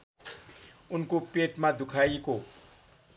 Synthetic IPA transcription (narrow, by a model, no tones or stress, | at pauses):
unkopeʈmad̪ʱukʰaiko